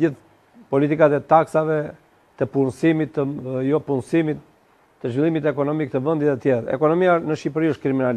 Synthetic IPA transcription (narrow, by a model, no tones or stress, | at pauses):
iθ | pɔlit̪̬ikat̪ɛt̪aksavɛ | t̪əpunsimit̪ːəjɔpunsimit̪ː | əʒvilˠimit̪ɛkɔnɔmik̚t̪əvənd̪it̪ɛt̪jɛɾɛ̰kɔnɔmianəʃipɾiəʃt̪̚kɾiminal